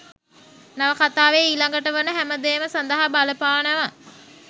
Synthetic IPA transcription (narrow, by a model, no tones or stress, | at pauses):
naʋəkat̪aːʋeːilaŋɡəʈəʋənəɦæməd̪eːməsand̪əɦabaləpaːnəʋa